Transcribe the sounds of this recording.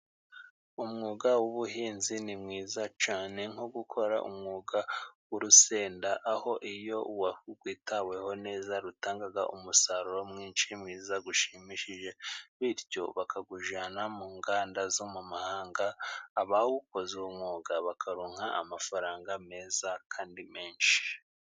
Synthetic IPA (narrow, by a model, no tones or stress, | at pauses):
umŋuːɡawuβuɦiːnzinimŋiːzat͡ʃaːne̞ŋ̥oɡukʰo̞ɾa̰ʔṵmŋuːɡawuɾuse̞ːndaʔaho̞ʔijo̞uwahuɡwiːtawe̞ho̞ne̞ːzaɾutaːŋɡaɡa̰ʔumusaɾuɾo̞mŋiːnʃimŋiːzaɡuʃimiʃiʒe̞βiɾjo̞βakʰaɡuʒanamuːŋɡaːndazomumahaːŋɡaːβawuko̞zeumŋuːɡaβakʰaɾoːŋ̥haa̰mafaɾaːŋɡame̞ːzakʰaːndime̞ːnʃi̥